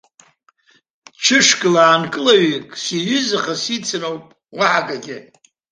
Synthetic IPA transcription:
t͡ʃʰɨʂkʼɨlaːnkʼɨlaɥikʼsiɥʏzɨχasit͡sʰɨnowpʼ | waħaɡaɡʲɪ

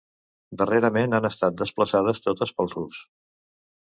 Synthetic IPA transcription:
d̪əreɾəmenanəst̪at̪̚d̪əspləsað̞əst̪ot̪əspəlˠrus

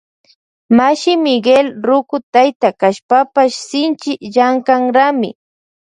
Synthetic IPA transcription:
maʃɪmɪɡelɾʊkʊt̪ajt̪akaʃpapaʃsɪnt͡ʃɪjaŋkaŋɾamɪ̰

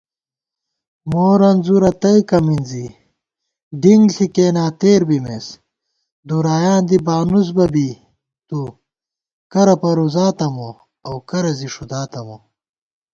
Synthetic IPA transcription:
moːɾɐnzuɾɐt̪ɐjkɐminzi | ɖiŋɡɬikeːnaːt̪eːɾbimes | d̪uɾaːjaːnd̪ibaːnus̬bɐbi | t̪u | kɐɾɐpɐɾuzaːt̪ɐmo | ɐwkɐɾɐziʂud̪aːt̪ɐmo

